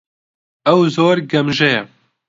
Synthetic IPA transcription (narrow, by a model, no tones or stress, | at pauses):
ɛwzoːɾɡɛmʒɛjɛ